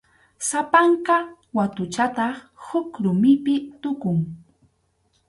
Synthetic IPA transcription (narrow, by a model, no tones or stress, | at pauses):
sapaɴqɑ | wat̪ʊt͡ʃat̪ɑχ | hʊkɾʊmɪpɪt̪ʊkʊŋ